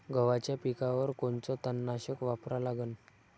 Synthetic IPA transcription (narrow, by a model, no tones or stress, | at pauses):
ɡəʋat͡ɕjapikaʋəɾkont͡sɔt̪ənːaɕəkʋapɾalaɡən